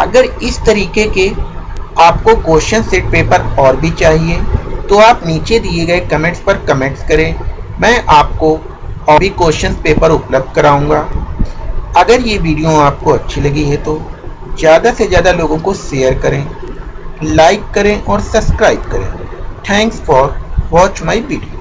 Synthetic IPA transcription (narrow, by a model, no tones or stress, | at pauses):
ɐ̰ɡəɾɪst̪ɐɾiːkeke | aːpkokoːʃə̃nsɪʈ̚peːpəɾɔːɾbʱit͡ʃaːɦiet̪oaːpniːt͡ʃed̪ieɡɐekɐmẽːɳʈspɐɾkɐmẽːɳʈskɐɾẽːmɛ̃ːʔaːp̚ko | ɔːbʱikoːʃə̃nspeːpəɾʊpləb̚d̪̚kɐɾaːũːŋɡaː | ɐɡəɾjeʋiːɖijõaːp̚koɐtːʃʰilɐɡiɦɛt̪o | zjaːd̪asezjaːd̪aloːɡõkoʃeːəɾkɐɾẽː | laːɪkːɐɾẽʔɔːɾsɐbskɾaːɪb̚kɐɾḛ̃ːʈʰɛ̃ːŋksfɔːɾʋɔːt͡ʃmaːiʋiːɖijo